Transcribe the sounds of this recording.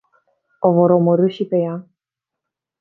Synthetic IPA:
ovoɾoməɾɨʃipeja

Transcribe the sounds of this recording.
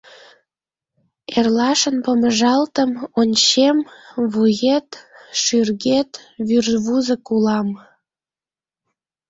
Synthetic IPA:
erlɑʃənpəməʒɑlt̪əmonʲt͡ɕemβujet̪ʃyrɣet̪βyrβuzəkulɑm

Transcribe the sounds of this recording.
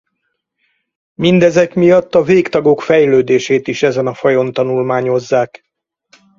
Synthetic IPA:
mind̪ɛzɛkmijɒt̪ːɒveːkt̪ɒɡo̞kfɛjløːd̪eːʃeːt̪iʃɛzɛnɒfɒjo̞nt̪ɒnulmaːɲo̞zːaːk

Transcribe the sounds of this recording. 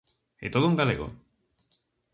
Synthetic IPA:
et̪oð̞ouŋɡaleɣo̰

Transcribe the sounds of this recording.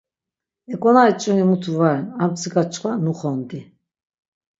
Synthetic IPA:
ɛkʼɔnaɛt͡ʃʼunimut̪ʰuvaɾɛnampsiɡat͡ʃʰʼqʰʼwanuχɔnd̪i

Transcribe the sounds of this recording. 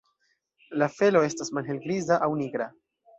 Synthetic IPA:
lafe̞lo̞e̞stasmalɦe̞lɡɾizaʔawniɡɾa

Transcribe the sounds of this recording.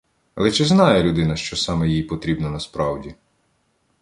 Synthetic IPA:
ɐlˠɛt͡ʃɪznɑjɛlʲud̪ɪnɐʃt͡ʃɔsɑmɛjijpɔt̪ɾʲibnɐnɐspɾɑwdʲi

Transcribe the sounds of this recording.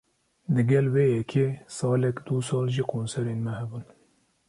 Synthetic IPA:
d̪ɨɡʲɛlweːjɛkʰesɑːlɛkd̪usɑːlʒikʰoːnsɛɾeːnmɛhɛbun

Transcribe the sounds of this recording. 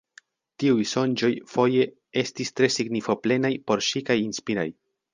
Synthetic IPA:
tiujso̞nd͡ʒo̞jfo̞je̞ | e̞stistɾe̞siɡnifo̞ple̞najpo̞ɾʃikajinspiɾa̰j

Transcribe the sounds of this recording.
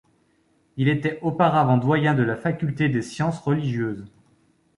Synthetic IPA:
ilet̪ɛopaʁavɑ̃d̪wajɛ̃d̪əlafakʲylt̪ed̪esjɑ̃sʁəliʒjøːz

